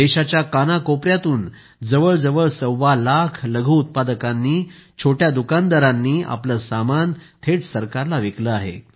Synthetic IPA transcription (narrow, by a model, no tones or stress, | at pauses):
eɕat͡ɕjakanakopɾjat̪uːn | d͡zəʋəɭd͡zəʋəɭsəwʋalakʰləɡʱuːut̪̚pad̪əkãnːiːt͡ɕʰoʈjad̪ukand̪aɾãnːiːa̰pləsamant̪ʰeʈsəɾkaɾlaʋekləaɦḛ